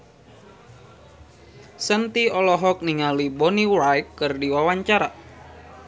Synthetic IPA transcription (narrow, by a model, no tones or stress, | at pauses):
sənt̪iɔlɔɦɔk̚niŋalibɔniwɾajkːɨrdiwawaɲt͡ʃaɾa